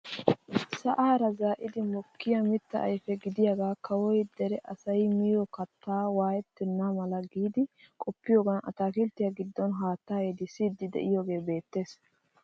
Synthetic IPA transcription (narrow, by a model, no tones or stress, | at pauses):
sɐʔaːɾɐzaːʔɪd̪ɪmɔkːɪjɐmɪt̪ːɐ̰ʔɐ̰jfɛɡɪd̪ɪjɐɡaːkɐwɔjd̪ɛɾɛʔɐsɐjmɪjɔkɐt̪ːaːwaːjɛt̪ːɛnːamɐlɐɡiːd̪ɪkʼɔpːɪjoːɡɐnʔɐ̰t̪aːkɪlt̪ːɪjɐɡɪd̪ːɔnɦaːt̪ːaːjed̪ɪsɪːd̪ːɪd̪ɛ̰ʔɪjoɡe̞ːbe̞ːt̪ːe̞ːs